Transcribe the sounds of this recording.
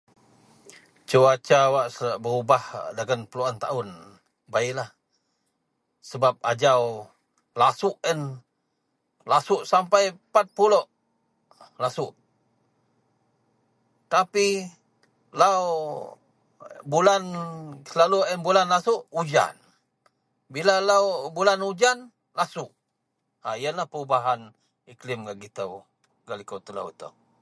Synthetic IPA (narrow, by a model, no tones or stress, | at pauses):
t͡ʃəwat͡ʃawaʔsəbəɾubahdaɡanpəluant̪aʊn | baiʔlah | səbap̚ad͡ʒaw | lasʊʔɛn | lasʊʔsampajpat̪̚puloʔ | lasʊʔ | t̪api | law | bulanlaluənbulanlasʊʔud͡ʒa̰n | bilalawbulanud͡ʒan | lasʊʔ | aijəlahpəubaɦan | iklɪmɡaʔɡit̪əw | ɡalikowt̪əla̰wt̪ə̰w